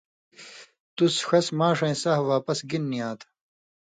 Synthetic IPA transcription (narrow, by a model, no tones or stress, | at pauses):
t̪usxɐsmaːʂɐ̃ĩsahʋaːpɐsɡinːiãːt̪ʰ